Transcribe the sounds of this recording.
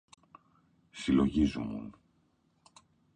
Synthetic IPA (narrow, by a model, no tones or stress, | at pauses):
silo̞ʝizumṵn